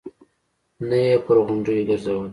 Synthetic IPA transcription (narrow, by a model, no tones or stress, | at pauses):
najepəɾɣʊɳɖujeɡəɾzawəl